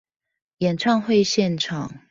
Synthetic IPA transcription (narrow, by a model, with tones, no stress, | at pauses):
jɛ˨˩nʈ͡ʂʰɑ˥˧ŋxwe˥˧ɪɕjɛ˥˨nʈ͡ʂʰɑ˨˩˦ŋ